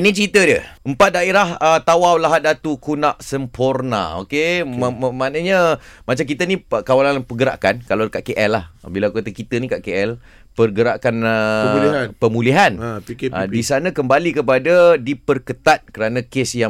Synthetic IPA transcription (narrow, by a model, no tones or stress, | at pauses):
nit͡ʃɾit̪ədəəmpat̪̚daeɾahət̪awawlaɦadat̪ukunaʔsəmpʰorna̰o̰ke | manəɲəmat͡ʃamkit̪ənikawalanapəɡəɾa̰ʔkankaladəkaʔkeʔɛlːahbilakukat̪əkit̪ənikaʔkeʔɛl | pərɡəɾaʔkanənpəmuliɦanadisanãkəmbalikəp̬adadipərkət̪at̪̚kəɾanãkesja